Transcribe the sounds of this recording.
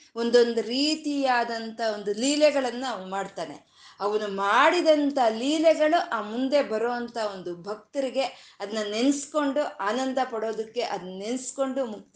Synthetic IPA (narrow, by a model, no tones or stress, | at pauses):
o̞nd̪o̞nd̪uɾiːt̪ijaːd̪ɐnt̪ʰɐo̞nd̪uliːlɛɡɐɭɐnːɐmaːɖt̪aːne̞̰ | ɐʋɐnumaːɽid̪ɐnt̪ɐɦliːlɛɡɐɭuʔaːmund̪e̞bɐɾoːɐnt̪ɐo̞nd̪ubʱɐk̚t̪ɐɾiɡe̞ɐd̪ɐnːɐne̞nsko̞ɳɖuaːnɐnd̪ʱɐpɐɽo̞ːd̪ɐkːe̞ʔɐd̪ɐnɐne̞nsko̞ɳɖumukt̪